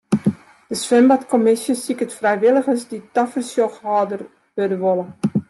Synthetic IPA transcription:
d̥əsʋɛmbatkɔmɪsjəsikətfrɛjʋɪlˠəxəsditafərsjoxhɑːdər | ʋødəʋolˠə

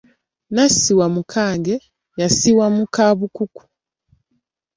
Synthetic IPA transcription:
nasiwamukʰaːŋɡe | jasiwamukaβukuku̥

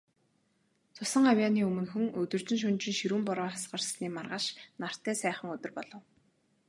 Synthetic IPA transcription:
t͡sʰʊsə̆ɴŋawjaːniːɵmɵ̆nxuŋɵt̪ɵ̆rt͡ɕɪ̆nʃ̬ʊnt͡ɕɪ̆nʃiɾuːmpʊɾɔːasɢə̆rsniːmarʁăːʃnar̥t̪æːsæːχə̆ŋɵt̪ɵ̆rpɔɮɞ̆w

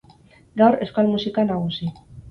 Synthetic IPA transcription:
ɡawɾe̞skalmusikanaɣ̞usi

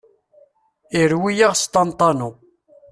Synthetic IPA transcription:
iɾwijaʁst̪ɑnt̪ˤɑnu

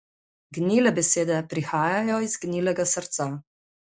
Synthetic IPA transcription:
ɡnʲilɛbɛseːd̪ɛpɾixaːjajɔizɡnilɛɡasəɾt̪sa

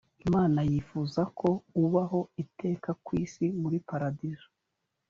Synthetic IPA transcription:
imaːnajifuzakʰo̞uβaɦo̞ite̞ːkakwiːsimuɾipaɾadiʒo̥

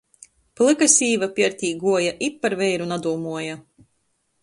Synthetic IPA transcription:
plˠɨkasʲiːvapʲiɛɾt̪ʲiːɡuɔjaʔipːaɾvɛjɾunad̪uːmuɔja

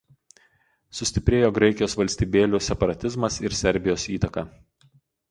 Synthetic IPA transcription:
sʊsʲt̪ʲɪpʲɾʲeːjoːɡɾɐɪkʲɪjoːsʋɐlʲsʲt̪ʲiːbʲeːlʲuːsʲɛpɐɾɐt̪ʲɪzmɐsɪɾsʲɛɾʲbʲɪjoːsiːt̪ɐkɑː

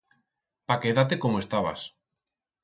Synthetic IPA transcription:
pakeðat̪ekomoest̪aβa̰s

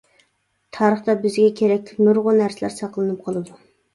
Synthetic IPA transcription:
t̪ʰɑːɾəχt̪ɑbɪzɡʲɛkʲʰeɾɛk̚ʲlʰɪnuɾʁʊnæɾsɪlæ̰ɾsɑqlˠɨnɨp̚qʰɑlˠɨd̪u

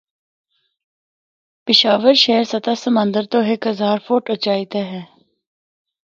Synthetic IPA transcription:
pɪʃaːʋəɾʃɛːɾsɐt̪asəmə̃nd̪əɾt̪oːɦekɦəzaːɾfoːʈət͡ʃaːit̪eɦɛ̃ː

